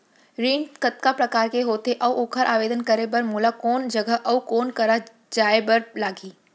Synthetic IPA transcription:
ɾiːnkət̪̚kapɾɐkaːɾkeɦoːt̪eʔɐʋoːkʰəɾʔaːʋeːd̪ənkɐɾebɐɾmuːlakoːnd͡ʒɐɡəɦʔɐʋkoːnkɐɾa | d͡ʒaːebɐɾlaːɡiː

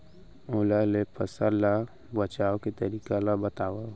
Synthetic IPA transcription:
oːlalepʰəsəɾla | bət͡ʃaːoket̪əɾiːkalabət̪aːwa

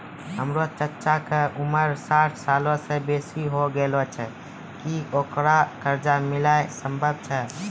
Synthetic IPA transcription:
ɦəmɾot͡ʃət͡ʃakeʔuməɾsaʈʰsalõsebesiɦoɡelot͡ʃʰɛ | kiokɾakəɾd͡ʒamɪlaesəmbʱəb̚t͡ʃʰɛ

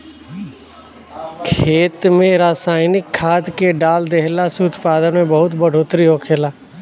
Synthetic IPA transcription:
kʰeːt̪mẽɾaːsaːɪnɪkʰːaːd̪keɖaːld̪eɦlasuʊt̪paːd̪ənmẽbəɦʊt̪bəɽ̤ʱoːt̪ɾiɦoːkʰeːlaː

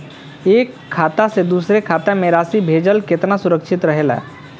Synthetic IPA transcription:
eːkʰːaːt̪ased̪uːsɾekʰat̪ameɾaːsibʱeːd͡ʒəlket̪nasʊɾəkʃʰit̪ɾəɦela̰

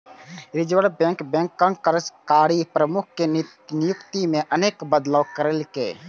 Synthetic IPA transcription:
ɾɪd͡ʒʋəɽbɛ̃ŋkbɛ̃ŋkːənkːəɾəskaːɾipɾəmʊk̚ʰke | nɪjʊkt̪imẽʔəneːkbəd̪ləwkəɾelkḛː

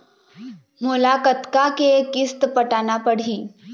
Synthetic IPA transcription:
mulakət̪kakekist̪pəʈanapəɽ̤iː

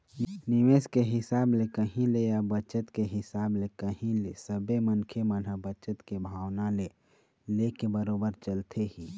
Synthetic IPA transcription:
nɪʋeːskeɦɪsaːblekəɦĩlejabət͡ʃət̪keɦɪsaːblekəɦĩlesəbemənkʰemənəbət͡ʃət̪kebʱaːwnale | lekebəɾoːbəɾt͡ʃəlt̪ʰeɦiː

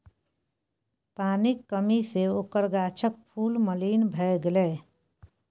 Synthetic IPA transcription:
paːnɪkːəmiseokəɾɡaːt͡ʃʰək̚pʰuːlməliːnbʱɛɡleː

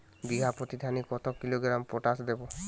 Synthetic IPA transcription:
biɡʱapɾot̪id̪ʱanikɔt̪ɔkːiloɡɾampɔʈasd̪ebɔ

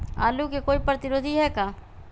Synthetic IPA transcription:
a̰ːlukekoːipɾɐt̪ɪɾoːd̪ʱiɦɛkaː

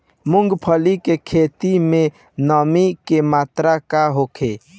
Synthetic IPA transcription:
mʊŋɡpʰəlikekʰet̪imẽ | nəmikemaːt̪ɾakaɦokʰe

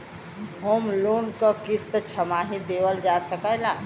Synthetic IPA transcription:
ɦomlonkəkist̪ət͡ʃʰəmaɦĩd̪eʋəld͡ʒasəkəla

